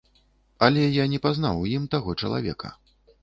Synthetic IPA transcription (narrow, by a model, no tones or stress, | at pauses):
ɐlʲɛjanʲɛpaznawjimt̪aɣɔt͡ʂɐ̰lˠa̰vʲɛ̰kʰɐ̰